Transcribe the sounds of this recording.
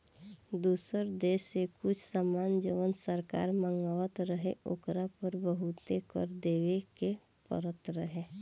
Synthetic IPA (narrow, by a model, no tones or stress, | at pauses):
d̪uːsəɾd̪eːʃːekʊt͡ʃʰsamaːnd͡ʒiʋənsəɾka̰ːɾmə̃ŋɡaːʋət̪ɾəɦḛo̰ːkɾapəɾbəɦut̪ekə̰ɾd̪eːʋeke | pə̰ɾət̪ɾəɦe